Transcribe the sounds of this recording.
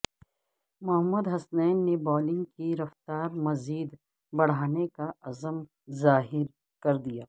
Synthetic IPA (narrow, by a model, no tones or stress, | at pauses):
mʊɦəmːəd̪ɦɐsnɛːnːebɔːlɪ̃ŋɡkiɾɐft̪aːɾmɐziːd̪ | bɐɽ̤aːnekaɐzəm | zaːɦɪɾ | kɐɾd̪ijaː